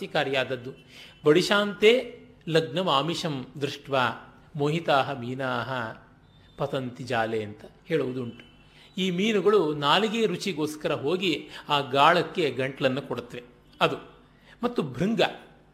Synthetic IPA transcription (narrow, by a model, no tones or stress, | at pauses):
ikaːɾjaːd̪ɐd̪ːu | bɐɽiʃaːnt̪eː | lɐɡnɐmaːmiʂɐmd̪ɾuʂʈʋaː | moːɦit̪aːɦɐmiːnaːɦɐ | pɐt̪ɐnt̪id͡ʒaːleːɐnt̪ɐheːɭuʋud̪uɳʈu̥ | iːmiːnuɡɐɭunaːliɡeːɾut͡ʃiɡoːskɐɾɐɦoːɡiaːɡaːɭɐkːe̞ɡɐɳʈɐlɐnːukoɽut̪ːɐʋe | ɐd̪u | mɐt̪ːubʱɾiŋɡɐ